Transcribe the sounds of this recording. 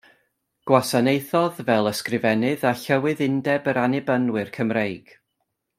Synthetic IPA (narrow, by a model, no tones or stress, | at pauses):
ɡ̥wasanejθɔðvɛlˠəskrɪvɛnɨðaɬəwɨðɪndɛbəɾanɪbənwɨrkʰəmrejɡ̥